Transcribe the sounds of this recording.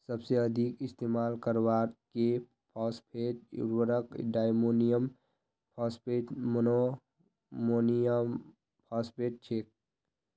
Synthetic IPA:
səbseəd̪ʱikist̪emalkəɾwaɾke | pʰaspʰeʈṵɾwəɾəkɖajmonijəm | pʰaspeʈmono | moniəm | pʰaspʰeʈ̚t͡ʃʰek̚

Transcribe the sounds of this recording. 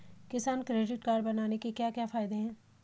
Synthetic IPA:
kɪsaːnkɾeːɖɪʈkaːɾbɐnaːnekekjaːkjaːfaːɪd̪eɦɛ̃ː

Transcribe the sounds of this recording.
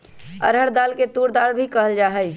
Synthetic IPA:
ə̰ɾɦəɽd̪aːlket̪uːɾd̪aːɾbʱikəɦəld͡ʒaːɦəj

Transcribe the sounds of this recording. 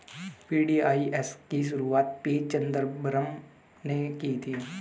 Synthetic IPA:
piːɖiːaːieskiʃ̬ʊɾuaːt̪̚piːt͡ʃɐ̃nd̪əɾbɾəm | nekiːt̪ʰiː

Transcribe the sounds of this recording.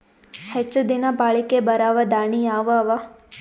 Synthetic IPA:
hɛt͡ʃəd̪inapaɭikebəɾaʋad̪aɳ̃iaʋaʋa

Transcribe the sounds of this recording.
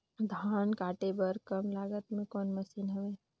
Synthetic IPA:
d̪ʱaːnkaːʈebəɾkɐmlaːɡət̪mẽkɔːnmɐsiːnɦoʋeː

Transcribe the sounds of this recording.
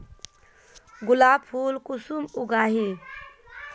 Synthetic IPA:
ɡulaːbpʰuːlkusumuɡaːɦi

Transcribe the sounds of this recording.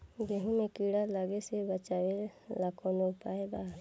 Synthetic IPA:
d͡ʒeɦũmẽkiːɽalaːɡesebət͡ʃaːwelaːkʰõnopaːebaː

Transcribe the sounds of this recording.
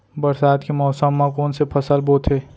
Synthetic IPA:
bɐɾsaːd̪kemɔːsəmːãkoːnsepʰɐsəlboːt̪ʰɦe

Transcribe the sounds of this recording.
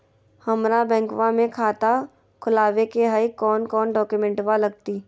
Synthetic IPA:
həmɾabɛ̃ːŋkʋãmẽkʰaːt̪a | kʰʊlaːwekeɦəikɔːnkɔːnɖɔːkjumẽɳʈʋaləɡ̚t̪iː

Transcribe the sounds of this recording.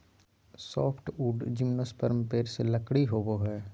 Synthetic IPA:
sɔːpʰʈuːɖd͡ʒɪmnospəɾmpeːɾseləkɽiɦoːboɦɛː

